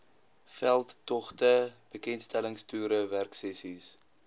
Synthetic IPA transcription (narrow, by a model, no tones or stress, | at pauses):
fɛlˠtːɔχtəb̥əkɛntstæləŋstyːɾəværksɛsis